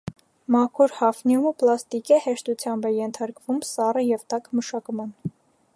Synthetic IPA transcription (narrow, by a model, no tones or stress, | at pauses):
mɑkʰuɾhɑfnjuməplɑst̪ikəhɛʃt̪ut͡sʰjɑmbɛjɛnt̪ʰɑɾkvumsɑrəjɛvt̪ɑkməʃɑkmɑn